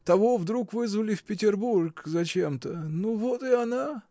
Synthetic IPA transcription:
t̪ɐvovd̪ɾukvɨzvəlʲɪfpʲɪtʲɪrburkzɐt͡ɕe̞mt̪ənuvot̪ɪɐna

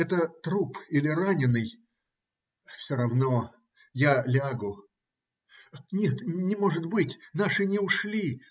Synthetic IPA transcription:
ɛt̪ət̪ɾupilʲɪranʲɪnːɨj | fsʲoɾɐvno | jalʲaɡʊ | nʲet̪nʲɪmo̞ʐɨt̪bɨtʲnaʂɨnʲɪʊʂlʲi

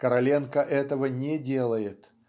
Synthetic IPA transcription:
kəɾɐlʲe̞nkəʔɛt̪əvənʲedʲelˠəjɪt̪

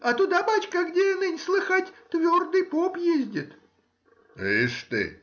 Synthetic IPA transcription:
ɐt̪ut̪ɐbat͡ɕkɐɡdʲeɪnɨnʲslˠɨxatʲt̪vʲord̪ɨjpopjezʲdʲɪt̪ | ʂt̪ɨ̰

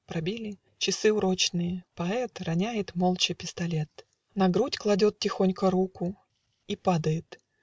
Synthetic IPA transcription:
pɾɐbʲilʲɪ | t͡ɕɪsɨʊɾot͡ɕnɨjəpɐɛt̪rɐnʲæjɪt̪molˠt͡ɕɪpʲɪst̪ɐlʲet̪ | nɐɡɾutʲklˠɐdʲot̪̚tʲɪxonʲkəɾukʊ | ipad̪əjɪt̪

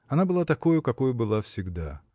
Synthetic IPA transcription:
ɐnabɨlˠat̪ɐkojʊkɐkojʊbɨlˠafsʲɪɡd̪a

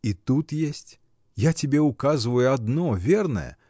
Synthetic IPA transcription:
it̪ut̪jesʲt͡sʲ | jat͡sʲabʲɛukazvɐjuad̪nɔvʲɛrnɐ̰jɛ̰

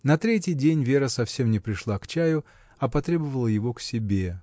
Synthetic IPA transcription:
nɐt̪ɾʲetʲjɪjdʲenʲvʲe̞ɾəsɐfsʲe̞mnʲɪpɾʲɪʂlˠakt͡ɕæjʊ | ɐpɐt̪ɾʲe̞bəvəlˠəjɪvo̞ksʲɪbʲe

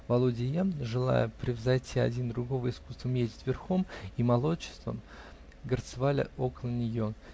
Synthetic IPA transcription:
vɐlˠudʲɪjaʐɨlˠa̰jəpɾʲɪvzɐjtʲʰiɐdʲind̪ɾʊɡo̞vəɪskust̪vəmjezʲdʲɪtʲvʲɪrxo̞mimɐlˠo̞t͡ɕːɪ̥st̪və̰ | ɡərt̪sɨvalʲɪ̰ʔokəlˠənʲɪjo̞

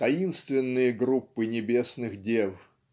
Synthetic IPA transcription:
t̪ɐinst̪vʲɪnːɨjəɡɾupːɨnʲɪbʲesnɨxdʲev

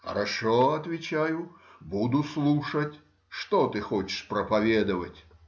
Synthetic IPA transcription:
xɐ̰ɾaʂɔɐt̪vʲit͡ʃajubud̪uslˠuʂɐt͡sʲ | ʂt̪ɔt̪ɨxɔt͡ʃɪ̥ʂpɾɐpavʲɛd̪ɐvɐt͡sʲ

